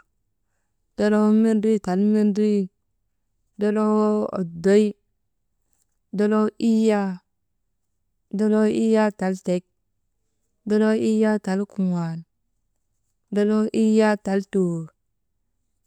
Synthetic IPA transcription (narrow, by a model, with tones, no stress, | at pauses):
d̥o˦lo˦wo˦mi˦ndu˦i˦ta˨lmi˦ndu˦i˦ | do˦lo˦wo˦o̰˨do˦i˦ | do˦lo˦i˦ja˦ | do˦lo˦i˦ja˦ta˨lte˨˦k̚ | do˦lo˦i˦ja˦ta˨lku˨wa˨l | do˦lo˦ʔi˦ja˦ta˨lto˨